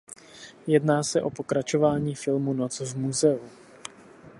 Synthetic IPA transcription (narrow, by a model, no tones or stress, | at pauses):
jɛdnaːsɛʔo̞po̞kɾat͡ʃo̞vaːɲiːfɪlmunot͡svmuzɛu